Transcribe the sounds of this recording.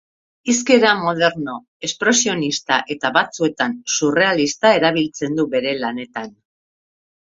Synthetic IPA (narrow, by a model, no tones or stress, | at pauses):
iske̞ɾamo̞ð̞e̞ɾno̞ | e̞spɾe̞sio̞nist̪aʔe̞t̪aβat͡sue̞t̪ansure̞alist̪ae̞ɾaβ̞ilt͡se̞nd̪uβe̞ɾe̞lane̞t̪an